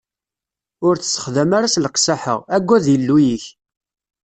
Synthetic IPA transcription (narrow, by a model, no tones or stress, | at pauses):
ʊɾt͡sːsːə̥χðəmaɾasləqsaħə̰ʁæɡʷːæðjəlːujiç